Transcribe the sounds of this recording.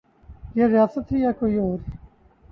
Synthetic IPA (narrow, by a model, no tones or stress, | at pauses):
jeɾijaːsɐt̪ɦijakoːioːɾ